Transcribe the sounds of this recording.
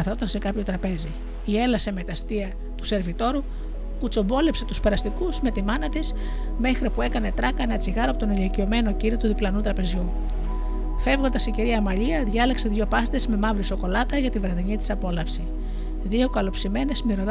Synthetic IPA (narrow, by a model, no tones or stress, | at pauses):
ɐθot̪ɐnse̞kɐpço̞t̪ɾɐpe̞zi | ie̞lɐse̞me̞t̪ɐst̪iɐ | t̪u̥se̞ɾvit̪o̞ɾu | put͡so̞bo̞le̞pse̞t̪uspe̞ɾɐst̪ikuzme̞t̪imɐnɐt̪is | me̞xɾipue̞kɐne̞t̪ɾɐkɐenɐt͡siɣɐɾopot̪onilicio̞me̞no̞ciɾiot̪uðiplɐnut̪ɾɐpe̞zʝu | fe̞vɣot̪ɐsiɟiɾiɐmɐʎiɐðʝɐlekse̞ðʝo̞pɐst̪ezme̞mɐvɾiso̞ko̞lɐt̪ɐʝɐt̪ivɾɐðiɲit̪i̥sɐpo̞lɐfsi | ðio̞kɐlo̞psime̞ne̞zmiɾo̞ð